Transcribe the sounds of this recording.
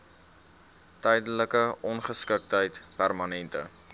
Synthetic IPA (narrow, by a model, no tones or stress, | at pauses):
təjdələkəʔɔnχəskək̚tɦəjtpærmɐnɛntə̰